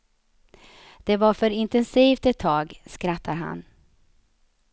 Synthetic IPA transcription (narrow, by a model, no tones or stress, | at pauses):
d̪̥ɛvaɾfœɾɪnt̪ɛnsiːft̪ɛt̪ʰːɑːɡskɾat̪ʰːaɾɦa̰n